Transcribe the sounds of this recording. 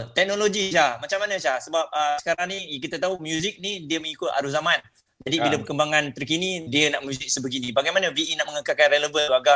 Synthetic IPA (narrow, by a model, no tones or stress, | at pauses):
t̪ɛk̚noloɡiʃamat͡ʃamanəʃahsəbap̚əsəkaɾaŋnijakit̪at̪aɦumjuzɪk̚nidiəməŋikʊt̪a̰ɾuzamãn | d͡ʒadiiləpəkəmbaŋant̪ərkinidiənaʔmjuzɪk̚səbəɡinibaɡajmanəviʔinaʔməŋəkakanrɛləvəuaɡa